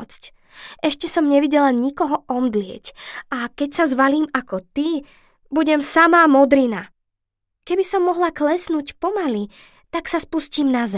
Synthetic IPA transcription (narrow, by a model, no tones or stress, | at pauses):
t͡sc | ʔɛʃcɛsɔmɲɛʋiɟɛlaɲikɔɦɔʔɔmd̪lɪɛ̰cakɛcsazʋaliːmakɔt̪i | buɟɛmsamaːmɔd̪ɾina | kɛbisɔmːɔɦlaklɛsnuːcpɔmali | t̪aksaspusciːmnazɛ